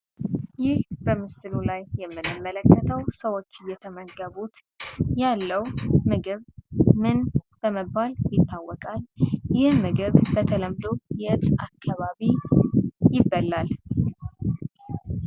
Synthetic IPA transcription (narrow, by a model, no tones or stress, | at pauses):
jɪhb̥əmɨsɨlulajːɛmːɨnɨmːələkːət̪ʰəwsəwo̞t͡ʃːɨjɛt̪ʰəməɡəβut̪ | jalːəwmɨɡɨβmɨnb̥əməbːaljɪt̪ːawːɔkʼaljɪhmɨɡɨβbət̪ʰələmd̪ojɛɨt̪ʼakʰːaβaβi | jɪbːəlːal